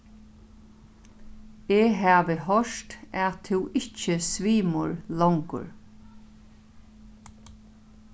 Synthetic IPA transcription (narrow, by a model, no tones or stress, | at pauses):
eːɦaːʋɪɦœʂt̪æt̪ʰɪwɪt͡ʃəsʋiːmʊ̰ɹlɔwŋkʊ̰ɹ